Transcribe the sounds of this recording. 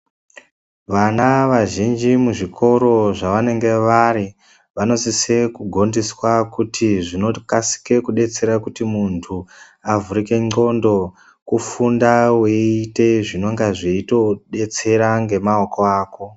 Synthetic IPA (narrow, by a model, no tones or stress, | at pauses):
ʋanaʋaʒind͡ʒimuʐikʰo̞ɾo̞ʐaʋane̞ŋɡe̞ʋaɾi | ʋano̞sise̞kuɡʱo̞ndiswakutʰiʐinokasi̥ke̞kuɗe̞t͡se̞ɾakutimuntʰu | avuɾike̞ŋ͡ǀo̞ndo̞ | kufundaweite̞ʐino̞ŋɡaʐiito̞ɗe̞t͡se̞ɾaŋɡe̞maoko̞aːko̞